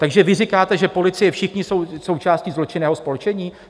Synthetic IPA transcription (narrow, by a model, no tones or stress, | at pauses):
t̪aɡʒɛvɪrikaːt̪ɛʒɛpo̞lɪt͡sɪjɛfʃɪxɲɪsowso̞wt͡ʃaːsciːzlo̞t͡ʃɪnɛːɦo̞spolt͡ʃɛɲiː